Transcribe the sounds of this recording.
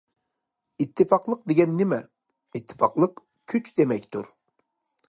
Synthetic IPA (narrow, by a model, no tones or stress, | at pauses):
it̪ʰːɨfɑqlˠəq̚d̪eɡʲɛnːɪmɛ | it̪ʰːɪ̥fɑqlˠəq | kʲʰyt͡ʃd̪emɛkʲt̪ʰṵɾ